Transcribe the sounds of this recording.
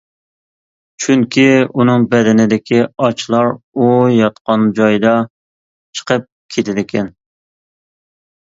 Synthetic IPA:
t͡ʃʰyŋkʲiunɨŋbɛd̪ɪnɪd̪ɪkʲiɑt͡ʃʰlˠɑɾujɑt̪qɑnd͡ʒɑjd̪ɑ | t͡ʃʰə̥qʰəp̚kʲʰet̪ʰɪd̪ɪkʲʰɛn

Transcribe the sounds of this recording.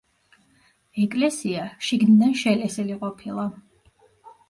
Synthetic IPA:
ɛkʼlɛsiaʃiɡnid̪anʃɛlɛsɛliqʼɔpʰilˠa

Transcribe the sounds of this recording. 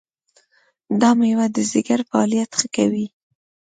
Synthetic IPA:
d̪ɑmujawad̪əzɪɡaɾfaɑlijat̪xəkawi

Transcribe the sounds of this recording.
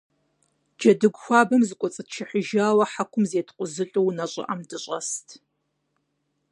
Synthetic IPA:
d͡ʒɐdɨɡʷxʷaːbɐmzɨkʷʼɔt͡sʼɨtʃʰɪħəʒaːwɐħakʷʰʊmzeːtʰqʷʊzɨɬʼɨwnɐɕʼɪ̰ʔɐmdɨɕʼɐstʰ

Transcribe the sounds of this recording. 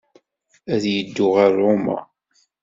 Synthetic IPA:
æðjəd̪ːʊʁaɾːoma̰

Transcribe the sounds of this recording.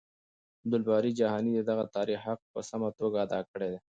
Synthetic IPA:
d̪ʊlbɑɾid͡ʒaɦɑnid̪əd̪aɣat̪ɑɾixhaq̚pəsamat̪oɡaːd̪ɑkəɽed̪e

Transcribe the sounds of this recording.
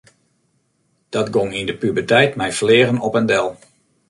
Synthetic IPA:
d̥ɑtɡoŋindəpybərtɛjtmɛjflɪːrənɔpəndɛlˠ

